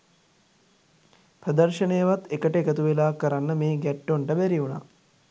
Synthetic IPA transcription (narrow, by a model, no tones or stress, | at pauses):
pɾəd̪ərʃənejəʋat̪ekəʈəekət̪uʋelaːkəɾanːəmeːɡɛʈːoɳʈəbæɾiuna̰